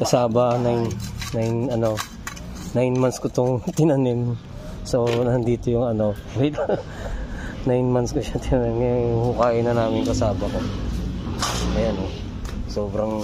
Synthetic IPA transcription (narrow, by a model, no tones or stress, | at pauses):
kɐsaːbɐnajnːajnɐno̞ | najnmanskot̪oŋt̪ɪnɐnɪm | sonɐnd̪iːt̪ojʊŋɐnoɪt̪ | najnmanskoʃɐt̪ɪnɐnɪmehukaːʔɪnɐnaːmɪŋkɐsaːbɐko | ɐjano | soːbɾɐŋ